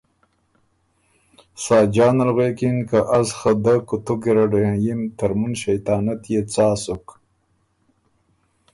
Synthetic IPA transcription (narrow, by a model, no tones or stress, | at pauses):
sɑːd͡ʒɑːnalɣwekinkaʔazxad̪akut̪ukiɾaɖojãjimt̪aɾmunʃajt̪ɑːnat̪jet͡sɑːsuk